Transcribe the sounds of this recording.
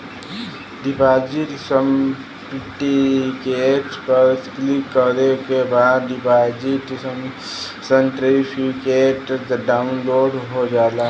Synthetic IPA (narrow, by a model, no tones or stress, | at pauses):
ɖipaːd͡ʒiʈsəm | piʈikeʈspəɾsklikːəɾnekebaːd̪dipaːd͡ʒiʈsəm | səɳʈɾipʰikeːʈd̪ɖaːʊnloːɖɦod͡ʒaːla